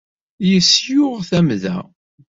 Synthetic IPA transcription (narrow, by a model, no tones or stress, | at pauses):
jəsjʊʁθæmðæ̰